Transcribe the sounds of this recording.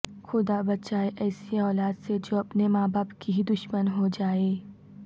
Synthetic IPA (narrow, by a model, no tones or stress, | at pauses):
xʊd̪abɐtːʃaːeʔɛːsiaːlaːd̪sed͡ʒoːɐpnemaːbaːbkiɦid̪ʊʃmənɦod͡ʒaːeː